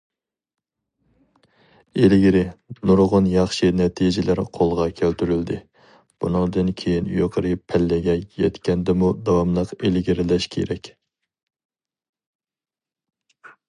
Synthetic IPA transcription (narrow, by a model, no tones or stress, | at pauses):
elɪɡʲiɾɪnuɾʁʊnjɑχʃɨnɛt̪ʰid͡ʒɪlæɾqʰolˠʁɑkʲʰælt̪ʰyɾyld̪ɪ | b̥unɨŋd̪ɨnkʲʰejinyjoqʰəɾɨpʰælːɪɡʲɛjɛt̪kʲɛnd̪ɛmud̪ɑwɑmlˠəqelɪɡʲiɾɪlɛʃkʲʰḛɾɛkʲ